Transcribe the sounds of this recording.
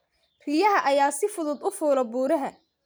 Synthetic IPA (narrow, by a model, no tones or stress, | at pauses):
rijɐɦɐʔɐjaːsɪfʊðʊd̪ʊfuːlɐbuːɾɐɦɐ